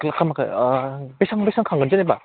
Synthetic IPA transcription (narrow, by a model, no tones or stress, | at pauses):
kɯlakʰːamaka̰besʰaŋbesaŋkʰaŋɡɯnɯneba